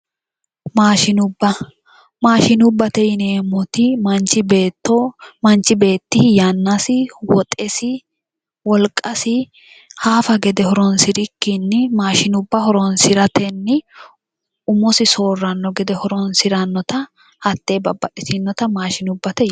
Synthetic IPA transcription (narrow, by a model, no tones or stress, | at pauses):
maːʃɪnʊbɐ | maːʃɪnʊbːɐt̪ɛjɪneːmɔt̪ɪmɐnt͡ʃːɪbeːt̪ːɔmɐnt͡ʃɪbe̞ːt̪ːɪhjɐnːɐsɪwɔt̪ʼɛsɪ | wɔlkʼːɐsɪ | haːfɐɡɛd̪ɛhɔɾɔnsɪɾɪkːɪnːɪmaːʃɪnʊbːɐhɔɾɔnsɪɾɐt̪ɛnːɪ | ʊmɔsɪso̞ːrːɐnːɔɡɛd̪ɛhɔɾɔnsɪɾɐnːɔt̪ɐ | hɐt̪ːeːbɐbːɐᶑɪsɪnːɔt̪ɐmaːʃɪnʊbːɐt̪ɛ